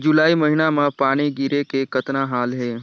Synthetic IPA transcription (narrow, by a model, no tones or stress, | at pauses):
d͡ʒʊlaːiməɦinamãpaːɽ̃iɡiɾekekət̪naɦaːlɦeː